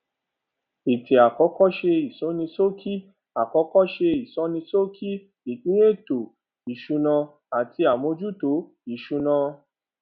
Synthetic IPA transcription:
i˨tʰi˨a˨kɔ˨˦kɔ˦ʃe˧i˨sɔ˨˦nĩ˧so˦kʰi˦ | a˨kɔ˧˦kɔ˦ʃe˧i˨sɔ˨˦nĩ˧so˦kʰi˦ | i˨kĩ˦e˦˨to˨ | i˨ʃu˨˧nã˧ | a˨tʰi˧a˨mõ˧d͡ʒu˦to˨˦ | i˨ʃũ˧nã˧

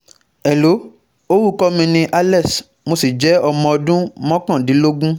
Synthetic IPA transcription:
ɛ˨lo˨˦ | o˦wu˦kɔ˦mĩ˧nĩ˧ʔa˧lɛ˦˨s | mo˧si˨d͡ʒɛ˨˦ɔ˧mɔ̃˧ɔ˧dũ˦mɔ̃˦kã˦˨dĩ˨˦lo˦ɡũ˦

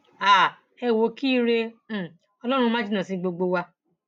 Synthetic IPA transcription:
a˨ | ɛ˧˨wo˨ki˦ɾẽ˧˨ | ɔ˧lɔ˦ɾ̃ũ˧mã˦d͡ʒi˦nã˨sĩ˧ɡ͡bo˧ɡ͡bo˧wa˧

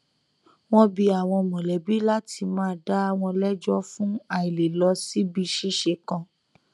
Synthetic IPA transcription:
w̃ɔ̃˦bi˧a˨w̃ɔ̃˧mɔ̃˨lɛ˨˦bi˦la˦tʰi˧mãː˦˧˦da˦˧w̃ɔ̃˧lɛ˦d͡ʒɔ˦fũ˦a˦˨i˨le˨lɔ˧˦si˦bi˧ʃi˦ʃe˧kã˧

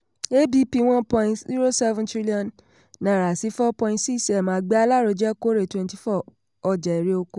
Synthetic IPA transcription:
e˦bi˧˦pi˧w̃ɔ̃˦npɔ̃˧ĩ˧tzi˦ɾo˦sɛ˦vɛ̃˦tɾi˦li˦ɔ̃˨nː | ã˨ɾa˨si˨˦fɔ˦pɔ̃˧ĩ˧tsi˦ksɛ˨mãː˨˦ɡ͡bɛ˦a˧la˦ɾo˨˧d͡ʒɛ˦ko˦ɾe˨twɛ̃˧nti˨fɔ˦˨ | ɔ˧˨d͡ʒɛ˨ɛ˨ɾe˧o˧ko˧

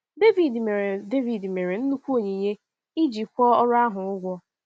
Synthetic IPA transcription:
de˦vi˨dme˨ɾe˨de˦vi˨dme˨ɾe˨n̩˦nu˦kʷu˦o˨ɲe˨ɲe˦ | i˦d͡ʒi˨kʷɔ˦ɔ˦ɾʊ˦a˦ɦʊ˨ʊ˦ɡʷɔ˦

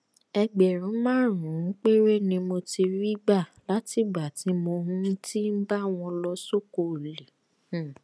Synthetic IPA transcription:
ɛ˧ɡ͡bɛ˨ɾ̃ũ˨˦mãː˦˨ɾ̃ũ˨˦k͡pe˦ɾe˦nĩ˧mo˧ti˧ɾi˦ɡ͡ba˦˨la˨˦ti˦˨ɡ͡ba˨ti˨˦mo˧hũ˦ti˦m̩˦ba˦w̃ɔ̃˧lɔ˦so˦ko˧˨le˨˦˨

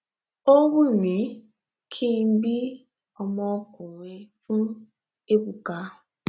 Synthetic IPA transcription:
o˦wu˦˨mi˨˦ | kʰi˦˨m̩˦bi˦ | ɔ˨mɔ˦kʊ˨ŋʷe˨fu˦ | e˦bu˨ka˦

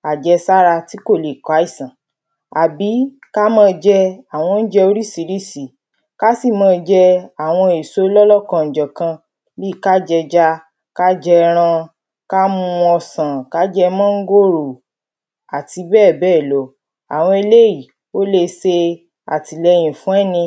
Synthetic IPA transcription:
a˨d͡ʒɛ˧sa˦ɾa˧ti˦ko˦˨le˨ka˨˦i˦˨sã˨ | a˨bi˨˦ | ka˦mãː˦˧d͡ʒɛ˧a˨w̃ɔ̃˧n̩˦d͡ʒɛ˧o˧ɾi˦˨si˨˦ɾi˦˨si˨˦ | ka˦si˦˨mãː˦˧d͡ʒɛ˧a˨w̃ɔ̃˧e˨so˨˦lɔ˦lɔ˦˨kã˧n̩˨d͡ʒɔ˨kã˧ | li˦˨ka˦d͡ʒɛ˧d͡ʒa˦ | ka˦d͡ʒɛ˧ɾ̃ã˧ | ka˦mũ˧ɔ˧sã˨ka˦d͡ʒɛ˧mãː˦ŋ̩˦ɡo˦˨ɾo˨ | a˨ti˧bɛː˦˨bɛː˦˨lo˨˦ | a˨w̃ɔ̃˧e˧le˦ji˦˨ | o˦le˧se˧ | a̰˨ti˨lɛ˧j̃ĩ˨fũ˨˦ɛ˦˨nĩ˧

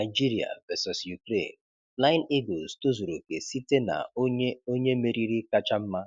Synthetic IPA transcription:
na˨ɪ˨d͡ʒi˦ɾi˨a̰˨vɛ˨sɔ˨sju˨kɾḛ˦˨n | fla˦ɪ˦ni˦ɡo˨sto˦zo˨ɾo˨ke˨si˦te˦na̰˨˦o˦ɲe˦me˨ɾi˦ɾi˦ka˦t͡ʃa˦m̩˦ma˦

